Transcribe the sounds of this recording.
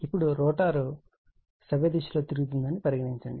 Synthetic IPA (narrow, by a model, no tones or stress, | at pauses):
ipːuɽuɾɔːʈaːɾu | sɐʋed̪iʃlo̞ːt̪iɾuɡut̪̬und̪ɐnipɐɾiɡɐɽiɲt͡ʃɐɳɖi